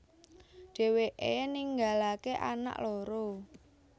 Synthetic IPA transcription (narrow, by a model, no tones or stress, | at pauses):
ɖ̥e̤weʔeniŋɡalakeʔa̰na̰ʔloɾo